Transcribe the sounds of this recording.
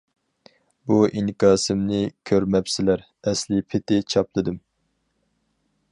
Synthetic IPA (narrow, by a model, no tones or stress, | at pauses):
buʔiŋkɑːsɨmnɨkʲʰøɾmɛpsɪlæɾ | ɛslɪpʰɪt̪ɪt͡ʃʰɑplˠɨd̪ɨm